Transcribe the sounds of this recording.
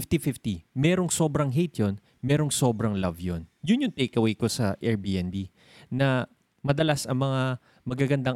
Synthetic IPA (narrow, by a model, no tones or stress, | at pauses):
ft̪ifɪft̪imɛːɾoŋso̞ːbɾɐŋɦejt̪jon | mɛːɾo̞ŋso̞bɾɐŋlɐvjonjʊnjʊŋt̪ejkɐwejko̞sɐʔɛɹbiʔɛnbi | nɐ | mɐd̪ɐlasɐŋmɐŋa | mɐɡaɡɐnd̪aŋ